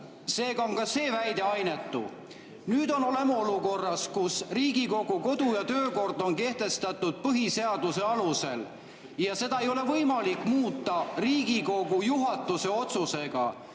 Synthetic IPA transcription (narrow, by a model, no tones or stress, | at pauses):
se̞ːɡɑoŋkɑse̞ːvæjd̪̥e̞ɑjne̞t̪ːṵ | nyːd̪o̞no̞le̞mɑo̞luko̞rːɑskusriːɡiko̞ɡuko̞d̪̥ujɑt̪ø̞ːko̞rd̪o̞nke̞ht̪e̞st̪ɑt̪ˑːud̪̥̚pɤɦise̞ɑd̪̥use̞ɑluse̞̰l | jɑse̞d̪ɑe̞jo̞le̞vɤjmɑlikːˑmuːt̪ːˑɑriːɡiko̞ɡujuɦɑt̪ːˑuse̞o̞t̪suse̞ɡ̥ɑ̰